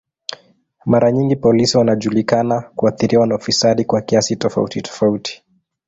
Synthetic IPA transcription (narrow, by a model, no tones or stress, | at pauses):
maɾaɲiŋɡipɔlisiwanaʄulikanakuaθiɾiwanaufisaɗikwakiasitɔfa̰utitɔ̥fautʰi̥